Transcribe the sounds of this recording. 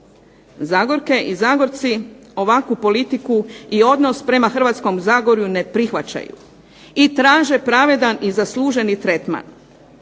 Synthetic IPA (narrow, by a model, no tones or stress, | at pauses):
zaːɡo̞ɾke̞ʔizaːɡo̞ɾt̪sio̞ʋakupo̞lit̪ikuio̞d̪no̞spɾe̞maxr̩ʋat̪sko̞mzaːɡo̞ɾjune̞pɾixʋat͡ɕa̰jṵ | it̪ɾaːʒe̞pɾaʋe̞d̪anizaslˠuːʒe̞nit̪ɾe̞t̪ma̰n